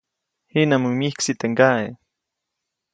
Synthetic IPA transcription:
hinamumihksit̪eŋɡae

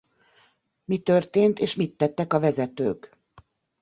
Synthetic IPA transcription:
mit̪ørt̪eːnt̪eːʃmit̪ːɛt̪ːɛkɒvɛzɛt̪ø̰ːk

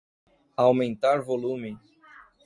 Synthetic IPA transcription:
awmẽnt̪aɾvolũmɪ

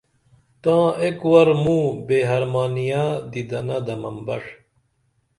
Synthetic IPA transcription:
t̪ãːekwɐɾmũːbeːɦɐɾmaːnijaːd̪id̪ɐnɐd̪ɐmɐmbɐʂ

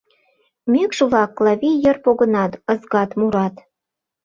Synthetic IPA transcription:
mekʃəβlɑkːlɑβʲijərpoɣɤ̆nɑt̪ɤ̆zɣɑt̪muɾɑt̪

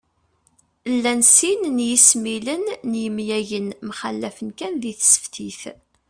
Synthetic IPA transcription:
lːænsinnjismilənːjəmjæʝənmχæ̰lːæfənkænðiθsə̥ft̪iθ

